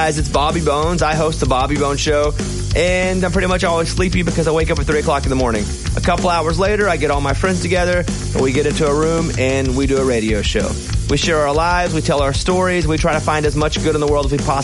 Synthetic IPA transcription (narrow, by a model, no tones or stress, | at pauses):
ɨzɨtsb̥ɑbibõʊ̃nzaɪɦoʊst̪̚ðəbɑbibõʊ̃nʃoʊ | ʔɨ̃nãɪmpʰɹ̥ɪɾimʌt͡ʃɔlˠwiz̥slipibɨkʌzaɪweɪkʌpfətθɹiɨkʰl̥ɑkn̩ðəmɔɹnɪ̰̃ŋ | ʔə̰kʰʌpl̩ˠaʊə˞zleɪɾə˞aɪɡɛɾɔlˠmaɪfɹɛ̃nz̥tʰɨɡɛðə̰̃˞ | wiɡɛɾɪ̃ntuəɹʉ̃mɨ̃nwiɾɨːɹeɪɾioʊʃoʊ | wʔiʃɛɹə˞laɪvzwitʰɛlˠaʊə˞stɔɹizwitʰɹ̥aɪɾɨfãɪ̃ndɨzmʌt͡ʃɡ̥ʊɾnðəwɜ˞lˠdɨfipʰɑ